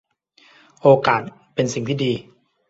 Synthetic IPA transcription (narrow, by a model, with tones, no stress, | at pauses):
ʔoː˧kaː˨˩t̪̚ | pe˧nsi˨˩ŋt̪ʰiː˥˩diː˧